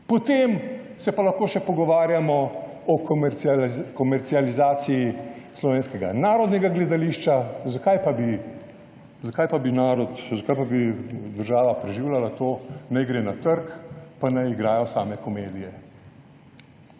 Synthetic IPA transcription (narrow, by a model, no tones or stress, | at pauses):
pɔt̪eːm | sɛpalaxkoːʃɛpɔɡɔʋaːɾjamɔ | ɔkmkɔmɛɾt̪sializaːsijislɔʋeːnskɛɡa̰naːɾɔd̪nɛɡaɡlɛd̪aliːʃt͡ʃazakajpabi | zakaːjpabinaːɾɔt̪zakajpabid̪əɾʒaːʋapɾɛʒiːwlʲalat̪oːnajɡɾeːnat̪əɾkpanajiɡɾaːjɔsaːmɛkɔmeːd̪ijɛ